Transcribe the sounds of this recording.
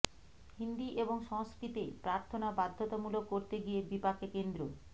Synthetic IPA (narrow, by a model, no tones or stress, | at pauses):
hind̪iʔeboŋʃɔŋskɾit̪epɾaɾt̪ʰonabad̪ʱːot̪amulokːoɾt̪eɡijebipakʰekend̪ɾo